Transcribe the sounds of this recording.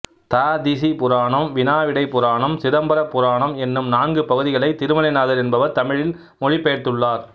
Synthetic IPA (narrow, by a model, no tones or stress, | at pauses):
t̪aːd̪ɪsipʊɾaːɳɐmʋɪnaːʋɪɽɐɪpːʊɾaːɳɐmsɪɾɐmbɐɾɐpːʊɾaːɳɐmɛnːɯmnaːnɡɯpɐɣɯðɪɣɐɭɐɪt̪ɪɾɯmɐlɐɪnaːðɐɾɛnbɐʋɐɾt̪ɐmɪɻɪl | mɔɻɪpːeːɾt̪ɯɭːaːɾ